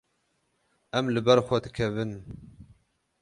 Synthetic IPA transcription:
ʔɛmlɨbɛɾxʷɛd̪ɨkʰɛvɨn

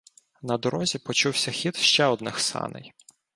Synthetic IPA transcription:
nɐd̪ɔɾɔzʲipɔt͡ʃuwsʲɐxʲit̪ʃt͡ʃɛɔd̪nɪxsɑ̰nɪ̰j

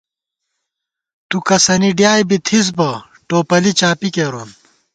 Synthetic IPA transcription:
t̪ukɐsɐniɖjaːjbit̪ʰis̬bɐ | ʈoːpɐlit͡ɕaːpikeɾon

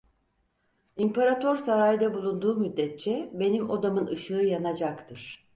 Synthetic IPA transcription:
impaɾat̪ʰoɾsaɾajd̪abulˠund̪uːmyd̪ːɛt̪̚t͡ʃʰɛbe̞nimo̞d̪amɯnɯʃɯːjanad͡ʒakt̪ʰɯɾ̥

